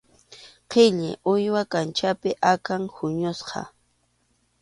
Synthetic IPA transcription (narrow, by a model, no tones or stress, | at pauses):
qʰɪʎɪ̰ʔʊjwakant͡ʃapɪʔakaŋhʊɲʊsqɑ̰